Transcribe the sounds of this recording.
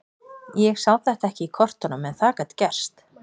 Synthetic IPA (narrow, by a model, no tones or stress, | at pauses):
jɛɣsawθɛht̪aɛhcɪikʰɔr̥t̪ɔnʏmɛnθaːkat̪cɛr̥st̪